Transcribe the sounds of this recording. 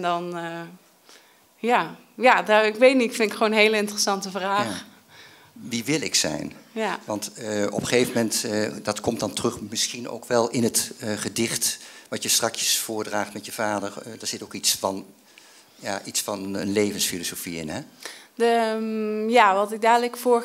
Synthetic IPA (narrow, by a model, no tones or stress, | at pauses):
ndɔn | ja | jadaɪkʋejtnifɪnɪkχwownɦeːləɪntərəsɑntəvraːx | ʋiʋɪlˠɪksɛ̰jnjaʋɑntɔ̰pəχejvəmɛntdɑtkɔmdɑntərɵχmɪsχino̰wkʋɛlˠɪnətχədɪχtʋɑtjəstrɑkjəsfʊːɹdraːχtmɛtjəvaːdəɹdaɹz̥ɪtowkitsfɑn | jaʔitsfɑnənlejvənsfilosofiɪ̰nɦɛə | jaʋɑtɪɡ̚daːdləkfoː